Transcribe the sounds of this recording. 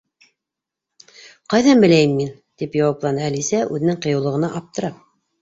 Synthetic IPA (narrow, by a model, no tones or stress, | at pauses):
qɑjðɑnbɘ̆læjɘmːin | t̪ipjɑwɑplˠɑnɤælisæʔʉðɘ̆nɘŋqɤ̆jɤ̆wlˠɤ̆ʁɤ̆nɑʔɑp̚t̪ɤ̆ɾɑ